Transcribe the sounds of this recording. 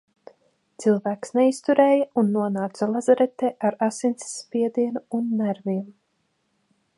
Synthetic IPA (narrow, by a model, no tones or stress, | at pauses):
t̪silˠvæːksnɛist̪uɾɛːjaunːuɔnaːt̪salˠazaɾɛt̪ɛːʔaɾasint̪ssːpiɛd̪iɛnuunːæɾviɛm